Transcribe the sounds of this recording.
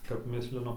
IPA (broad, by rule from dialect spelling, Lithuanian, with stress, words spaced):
kɐp ˈmʲɪsʲlʲɪnʊ